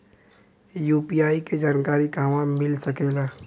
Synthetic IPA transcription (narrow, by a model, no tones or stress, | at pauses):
juːpiaːiked͡ʒaːnkaːɾiɡaːʋãmɪlsɐkeɡaː